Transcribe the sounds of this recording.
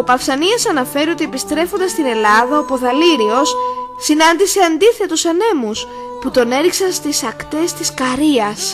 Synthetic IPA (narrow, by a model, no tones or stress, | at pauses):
opɐfsɐniɐsɐnɐfe̞ɾio̞t̪ie̞pist̪ɾe̞fo̞nd̪ɐst̪ine̞lɐðɐopo̞ðɐliɾio̞ssinɐnd̪ise̞ɐnd̪iθe̞t̪usɐne̞mus | put̪o̞ne̞ɾiksɐnst̪isɐkt̪e̞st̪iskɐɾiɐs